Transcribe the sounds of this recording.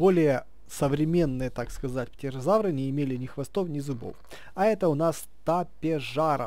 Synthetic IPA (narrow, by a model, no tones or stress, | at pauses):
bo̞lʲɪjə | səvɾʲɪmʲe̞nːɨjət̪akskɐzatʲpʲɪtʲɪrɐzavɾɨnʲɪɪmʲelʲɪnʲɪxvɐst̪ofnʲɪzʊbo̰f | ɐɛt̪əʊnas | t̪apʲɪʐaɾə̰